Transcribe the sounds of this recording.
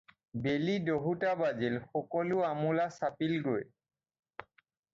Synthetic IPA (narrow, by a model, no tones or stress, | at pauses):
belidoɦutabazilxɔkɔluamulasapilɡoj